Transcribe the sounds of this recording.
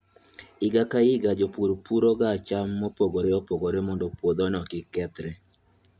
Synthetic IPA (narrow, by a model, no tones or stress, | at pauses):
ɪɡakaɪɡad͡ʒopuɾpuɾoɡat͡ʃamːɔpoɡoɾeɔpoɡoɾemɔndɔpwod̪ɔnɔkɪkɛt̪ɾɛ